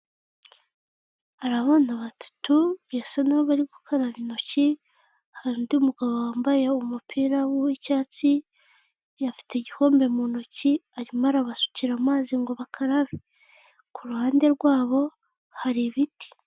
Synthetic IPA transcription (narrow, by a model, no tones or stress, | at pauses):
aɾaβonaβatḁtuβjasanaβoβaɾiɡukʰaɾaβino̞ci | haɾindiumuɡaβowaːmbajeumupʰiːɾawuicaːt͡si | jafi̥teɟiho̞ːmbe̞muno̞ciaɾimaɾaβasu̥ciɾamaːziŋɡo̞βakʰaɾaβi | kuɾuhaːnde̞ɾɡwaːβo̞ | haɾiβiti̥